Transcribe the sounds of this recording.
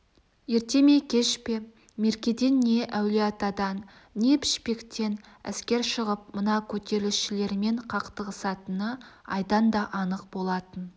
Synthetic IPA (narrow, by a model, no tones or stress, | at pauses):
je̞ɾt̪e̞me̞kʲʰe̞ʃpe̞ | me̞ɾkʲe̞d̪e̞nːe̞ʔæwleɑt̪ɑd̪ɑnː | e̞pʰɪ̥ʃpe̞kt̪e̞n | æ̰skʲe̞ɾʃəʁəp̚mənɑkʲʰɵt̪e̞ɾɪlɪʃɪle̞ɾme̞ɴqʰɑqt̪əʁəsɑt̪ənəɑ̰jd̪ɑnd̪ɑʔɑnəq̚bo̞lˠɑt̪ən